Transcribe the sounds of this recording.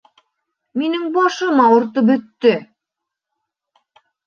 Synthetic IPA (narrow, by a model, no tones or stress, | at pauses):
minɘŋbɑʃɤmɑŏɾt̪ɤbɵ̆t̪ːɵ